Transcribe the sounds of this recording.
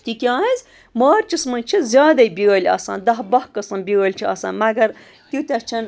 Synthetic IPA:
t̪ʲikʲaːizʲ | maːɾt͡ʃismɐnt͡ʃʰizʲjaːd̪ɐibʲiɣɐlʲɐ̰sa̰ːnd̪ɐɦbɐhkɐsɐnbʲiɐlʲt͡ʃʰiɐ̰sa̰ːnmɐɡɐɾ | t̪ʲut̪ʲɐt͡ʃʰɐn

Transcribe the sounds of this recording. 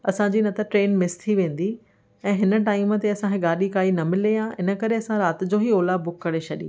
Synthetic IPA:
ɐsãd͡ʑiːnɐt̪ɐʈɾeːnmɪst̪ʰiʋẽːn̆d̪i | ɛ̃ːɦɪnə̆ʈaːɪm̆t̪eɐsãkʰɪɠaːɗikaːinɐmɪlejãɪnə̆kɐɾeɐsãɾaːt̪ɪ̆d͡ʑoːɦioːlabʊkkɐɽet͡ɕʰɐɗḭ̃

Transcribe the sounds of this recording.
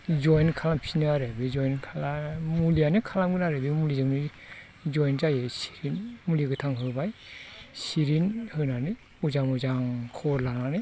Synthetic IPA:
zɔjnkʰalampʰinɯaɾebizɔjnkʰalamulijanikʰalamɡɯnaɾebimulizɯŋni | zɔjnzajesi̥ɾinmuliɡɯtʰaŋɦɯlbajsiɾinhɯnanɯ | uzaŋɔzaŋkʰɔɾlananɯ

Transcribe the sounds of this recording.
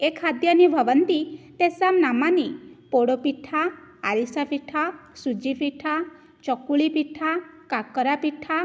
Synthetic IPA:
ekʰad̪janibʱəʋənt̪it̪esamnamanipoɽopiʈʰaa̰ɾisapiʈʰasud͡ʒipiʈʰa | t͡ʃɔkuɭipiʈʰakakɔɾapiʈʰːa

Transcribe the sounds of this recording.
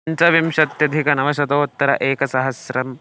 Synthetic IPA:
ɲt͡ʃɐʋimʂɐt̪jɐd̪ʱikɐnɐʋɐʃɐd̪oːt̪ːɐɾɐ̰ʔeːkɐsɐɦɐsɾɐm

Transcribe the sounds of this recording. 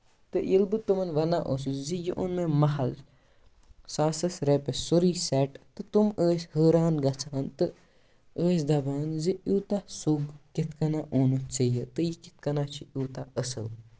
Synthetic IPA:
t̪ɨʔilbɨt̪umɐnʋɐnaːʔosuzijiʔunmemɐɦɐl | saːsɐsɾepesuɾiːsɛʈt̪ɨt̪uməːshəːɾaːnɡɐt͡sʰaɦɐnt̪ɨ | əːsd̪ɐbaːnziuːt̪asuɡkit̪kɐnaʔoːnut͡səjɐt̪ɨjikit̪̚kɐnaːt͡ʃʰiuːt̪aəsɐ̰l

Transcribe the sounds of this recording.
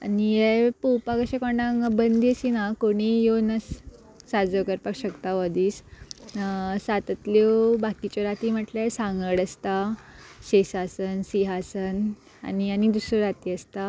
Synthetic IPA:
anijɛpowpakəɕẽkɔɳãŋɡbənd̪iəsinakoɽ̃ijonəs | sad͡zəkəɾpakɕəkt̪aʋəd̪iːs | sat̪ət̪lewbakit͡ɕɔɾat̪im̤əʈlasãŋɡəɽəst̪aɕesasənsiɦasən | a̰nianid̪usɾɔɾat̪iːəst̪a

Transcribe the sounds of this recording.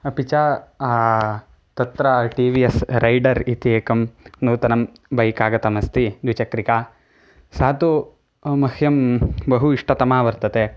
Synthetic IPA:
ɐpit͡ʃaː | t̪ɐt̪ɾɐʈiːʋiesɾɐjɖɐɾit̪ieːkɐmnuːt̪ɐnɐm | bʱɐjkaːɡɐt̪ɐmɐst̪id̪ʋit͡ʃɐkɾikaː | saːt̪u | mɐhʰjɐmbɐɦuiʂʈʰɐt̪ɐmaːʋɐɾt̪ɐt̪e

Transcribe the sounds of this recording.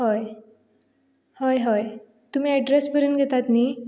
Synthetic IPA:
ɦɔj | hɔjɦɔj | t̪um̤iːɛɖɾespəɾuːnɡʱet̪at̪ni

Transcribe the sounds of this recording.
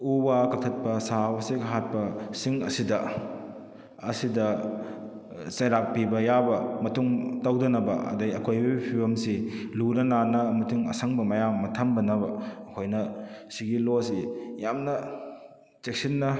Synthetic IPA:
ubakɐtʰɐt̚pɐsawɐseɡɦat̚pɐsiŋɐsidɐ | ɐsidɐ | sɐjɾak̚pibɐjabɐmɐtuŋtɐwdɐnɐbɐ̰ʔɐ̰dɐjɐkʰojbibipʰiwɐmsiluɾɐnanɐmɐtiŋɐ̰sɐŋbɐmɐjamːɐtʰɐmbɐnɐbɐːkʰojnɐsiɡilosijamnɐ | t͡ʃek̚sinːɐ

